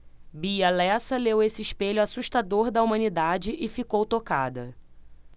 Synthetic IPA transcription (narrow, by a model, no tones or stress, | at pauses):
biɐlɛsɐlewesɪɪʃpeʎʊasuʃt̪ad̪oɾd̪ɐumɐ̃nid̪ad͡ʒɪʔɪfikowt̪oka̰d̪ɐ